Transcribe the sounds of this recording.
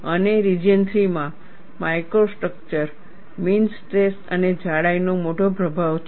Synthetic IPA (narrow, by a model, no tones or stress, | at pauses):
əneɾid͡ʒənt̪ɾimã | majkɾosʈɾək̚t͡ʃəɾ | minsʈɾesə̰ned͡ʒaɽajnomoʈopɾəbʱaʋt͡ʃʰ